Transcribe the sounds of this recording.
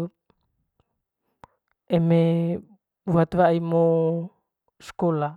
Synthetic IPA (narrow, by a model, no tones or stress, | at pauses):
eme | uwat̪βaimo | skola